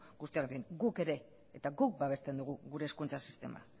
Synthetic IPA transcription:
ɡust̪iaɣt̪ieŋɡuke̞ɾe̞ː | t̪aɡuk̚baβ̞e̞st̪e̞nd̪uɣ̞uɣuɾe̞ːskunt͡sasi̥st̪e̞̰ma̰

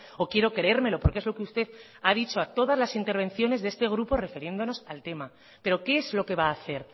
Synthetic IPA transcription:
o̞kje̞ɾo̞kɾee̞ɾme̞lo̞po̞ɾkee̞zlo̞keust̪e̞ð | aðit͡ʃo̞at̪o̞ð̞azlasint̪e̞ɾβ̞e̞nθjo̞ne̞zðest̪e̞ɣ̞ɾupo̞re̞feɾje̞nd̪o̞no̞salt̪e̞ma | pe̞ɾo̞ke̞ezlo̞ke̞βaːθe̞ɾ

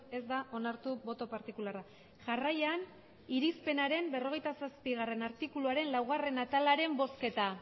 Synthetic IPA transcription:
e̞zd̪aʔo̞naɾt̪ubo̞t̪o̞paɾt̪ikulara | ʝarajan | iɾispe̞naɾe̞mbe̞ro̞ɣ̞e̞jt̪asaspiɣ̞are̞naɾt̪ikuluaɾe̞nlawɣare̞nat̪alaɾe̞mbo̞ske̞t̪a

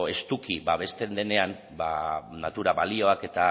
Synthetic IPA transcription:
e̞st̪ukibaβ̞e̞st̪e̞nd̪e̞ne̞an | banat̪uɾaβalio̞ake̞t̪a

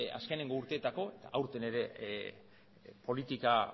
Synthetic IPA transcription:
a̰ske̞neŋɡo̞uɾt̪e̞ːt̪ako̞e̞t̪a̰ʔawɾt̪e̞ne̞ɾe̞ | po̞lit̪ika

